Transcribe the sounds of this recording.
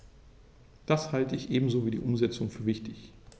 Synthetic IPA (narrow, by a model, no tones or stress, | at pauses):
d̥ashaltəɪçʔeːbm̩zoːviːdḭːʔʊmzɛt͡sʊŋfyːɐvɪçtʰɪç